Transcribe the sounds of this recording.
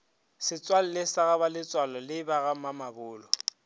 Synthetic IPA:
sɪt͡sʼwal̩lɪsaɣabalɪt͡sʼwalɔlɪbaɣamamabʊːlɔ

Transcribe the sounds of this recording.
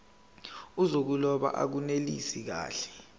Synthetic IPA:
uzok̬ulɔɓa̰ʔa̰k̬unelḭsik̬a̰ːɬɛ̥

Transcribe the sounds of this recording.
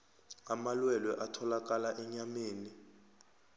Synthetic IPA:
amalwɛlwɛʔatʰɔlak̬ʼalaʔɛɲameːni

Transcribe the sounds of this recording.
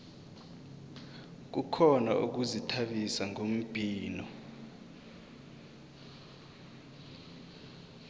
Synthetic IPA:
k̬ukʰɔna̰ʔṵk̬uzitʰaɓisaŋʱom̩b̥ʱʼiːnɔ

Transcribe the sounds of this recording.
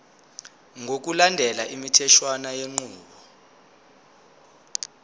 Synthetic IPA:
ŋʱok̬ulandʱɛlaʔimitʰɛʃwanajeŋ͡ǀuːɓɔ

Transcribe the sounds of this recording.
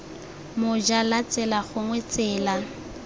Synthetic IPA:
mʊd͡ʒalat͡sɛlaχʊŋwet͡sɛːla

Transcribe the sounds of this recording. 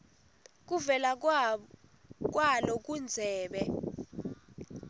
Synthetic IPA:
k̬uvɛla | k̬walɔk̬und͡zʱɛːɓɛ

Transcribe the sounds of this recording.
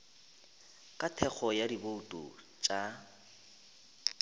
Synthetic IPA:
kʼatʰɛk͡xʰɔjadiboutʼṵ | t͡ʃʼa

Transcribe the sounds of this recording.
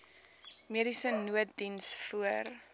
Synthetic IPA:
miəɾisənuət̚dinsfuər

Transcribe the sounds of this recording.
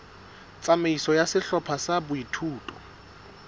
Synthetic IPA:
t͡sʼameisɔjasɪɬɔpʰasabʊitʰuːtʼɔ̰

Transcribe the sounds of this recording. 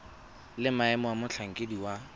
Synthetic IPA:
lɪmaɛmɔwamʊt͡ɬʰaŋ̩kʼediwa

